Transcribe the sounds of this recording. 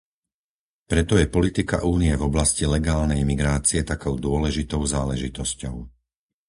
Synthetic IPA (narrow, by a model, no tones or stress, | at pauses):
pɾɛt̪ɔjɛpɔlit̪ika̰ʔuːniɛvɔblascilɛɡaːlnɛjimiɡɾaːt͡siɛt̪akɔʊd̪ʊɔlɛʒit̪ɔʊzaːlɛʒit̪ɔscɔʊ